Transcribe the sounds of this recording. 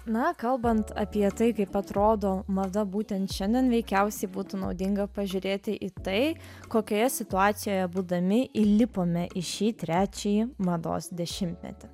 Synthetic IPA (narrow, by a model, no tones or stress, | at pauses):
nɐkɐlˠbɐnt̪ɐ̰pʲiɛt̪ɐɪkɐɪpɐt̪ɾoːd̪oːmɐd̪ɐbuːt̪ʲɛnt̪ʃʲɛnʲd̪ʲiɛnʋʲɛɪkʲɛʊsʲɛɪbuːt̪unɒʊd̪ʲɪŋɡɐpɐʒʲʊɾʲeːt̪ʲɪʔit̪ɐɪ | koːkʲoːjɛsʲɪt̪ʊɑːt̪sʲɪjoːjɛbuːd̪ɐmʲɪʔilʲɪpoːmʲɛʔɪʃʲiːt̪ʲɾʲæːt͡ʃʲɛjimɐd̪o̰ːsd̪ʲɛʃʲɪmʲt̪ʲmʲɛ̰t̪ʲɪ